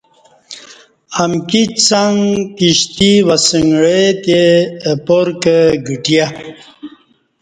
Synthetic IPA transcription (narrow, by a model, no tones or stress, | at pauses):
amkit͡saŋkiɕt̪iwasəŋɡɻet̪epoɾkəɡiʈija